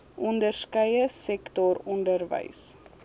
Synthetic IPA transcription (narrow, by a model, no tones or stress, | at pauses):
ʔɔndərskəjəsɛktɔɾɔndəɾvə̰js